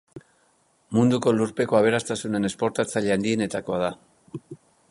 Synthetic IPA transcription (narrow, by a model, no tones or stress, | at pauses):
mund̪uko̞luɾpe̞ko̞aβ̞e̞ɾast̪asune̞ne̞spo̞ɾt̪at͡saʎeand̪ie̞ne̞t̪ako̞aða